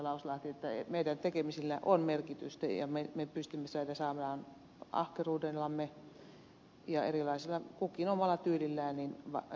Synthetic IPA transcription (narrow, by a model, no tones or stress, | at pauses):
lɑuslɑht̪iet̪ːæḛmeidænt̪ekemisilːæʔonmerkit̪y̰st̪æjɑ̰memepyst̪ymːesɑidæsɑːmelɑːn | ɑ̰hkeruːdelːɑmːe | jɑḛrilɑisilːɑkukːˑinomʋɑlːˑɑt̪yːlilːæːninʋɑ̰